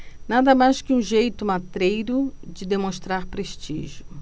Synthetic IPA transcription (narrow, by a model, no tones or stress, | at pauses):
nad̪ɐmajskɪũʒejt̪ʊmat̪ɾejɾʊd͡ʒɪd̪emõst̪ɾaɾpɾeʃt͡ʃḭʒʊ